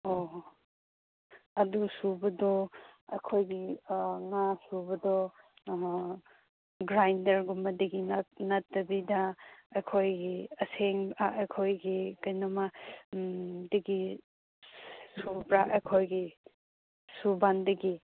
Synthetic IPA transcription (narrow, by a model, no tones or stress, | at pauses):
o | ɐdusubɐdɔɐkʰojɡiŋasubɐdɔ | ɡɾajndɐɾɡumɐdɐɡinnɐtːɐbidɐɐkʰojɡiɐseŋaʔɐjkʰojɡikɐjnɐmɐ | dɐɡi | supɾaɐjkʰojɡi | subandɐɡi